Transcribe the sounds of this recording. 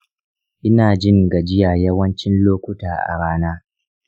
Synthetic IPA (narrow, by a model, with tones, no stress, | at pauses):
ʔɪ˦naː˨d͡ʒɪ˦ŋɡa˨d͡ʒɪ˦jaː˨jɐ˦wɐ˦nt͡ʃɪ˦nloː˦kʷʊ˦taː˨ʔa̰˨ɽaː˦naː˦